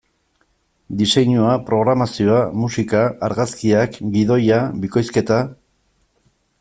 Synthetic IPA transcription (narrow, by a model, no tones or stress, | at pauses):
d̪ise̞ɲuapɾo̞ɣɾamasio̞amusikaːɾɣaskiakɡiðo̞jabiko̞jske̞t̪a